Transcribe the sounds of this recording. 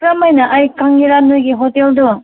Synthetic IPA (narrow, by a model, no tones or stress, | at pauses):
ɾamajnaʔajkaŋːiɾanːɯjɡiɦoteldɯ